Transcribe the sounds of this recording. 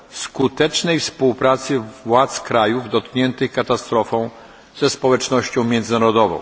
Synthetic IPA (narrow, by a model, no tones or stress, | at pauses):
skut̪ɛt͡ʂnɛjfspuwpɾat̪sɘvwat̪skɾajuvd̪ɔt̪kɲɛnt̪ɘxkat̪ast̪ɾɔfɔ̃w̃ | z̥ɛspɔwɛt͡ʂnɔɕt͡ɕɔ̃w̃mjɛnd̪zɘnaɾɔd̪ɔvɔ̰̃w̃